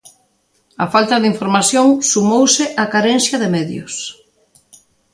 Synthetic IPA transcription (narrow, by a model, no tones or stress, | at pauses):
ɐfalt̪ɐðiɱfoɾmasjoŋsumowsɪʔakaɾɛnsjɐðɪmɛðjʊ̰s